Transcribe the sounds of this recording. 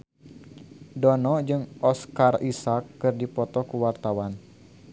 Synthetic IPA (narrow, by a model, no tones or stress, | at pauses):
dɔnɔd͡ʒɨŋʔɔskarisakːɨrdipɔt̪ɔkəwart̪awan